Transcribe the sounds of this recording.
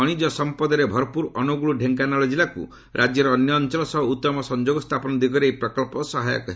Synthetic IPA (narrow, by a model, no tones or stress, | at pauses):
ɔɽ̃id͡ʒɔsɔmpɔd̪ɔɾebʱɔɾɔpuɾʔɔnuɡuɭuɖʱeŋkanaɭɔd͡ʒilakṵ | ɾʔad͡ʒjɔɾɔːnjɔːnt͡ʃɔlɔsɔɦɔut̪ːɔmɔsɔnd͡ʒoɡɔst̪ʰapɔnɔd̪iɡɔɾejpɾɔkɔlpɔsɔɦajɔ̰kɔɦ